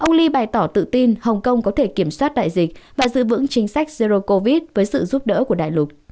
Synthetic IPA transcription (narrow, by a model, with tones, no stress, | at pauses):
ʔə˧wŋ͡mli˧ɓaː˨˩jt̪ɔ˧˩t̪ɨ̰˧˨t̪i˧nhə˨˩wŋ͡mkə˧wŋ͡mkɔ˨˦t̪ʰe˧˩ki˧˩əmswaː˦˥t̚ɗa̰ː˧˨jzï˨˩k̟̚vaː˨˩zɨ̰˧˨vɨ̰˧˥ŋt͡ɕï˨˦ŋ̟sa˦˥jk̟̚ze˧zo˧ko˧vi˦˥t̚vəː˨˦jsɨ̰˧˨zu˦˥p̚ɗə̰ː˧˥ku˧˩əɗa̰ː˧˨jlʊ˨˩t̚